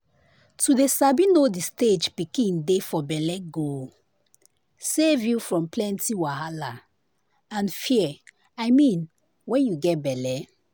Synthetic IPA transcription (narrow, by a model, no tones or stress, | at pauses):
tudesabĩnodisted͡ʒpikĩndefɔbɛlɛɡo | sevjufɹɔ̃mplɛ̃ntiwahala | ãnfiɛ | ajmĩn | wɛ̃njuɡɛtbɛlɛ